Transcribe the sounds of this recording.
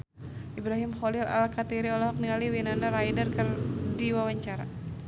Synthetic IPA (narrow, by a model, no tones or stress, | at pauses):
ʔibɾaɦimχɔlila̰lkat̪iɾiɔlɔɦɔk̚nialiwinanaɾajdərkɨrdiwawaɲt͡ʃaɾa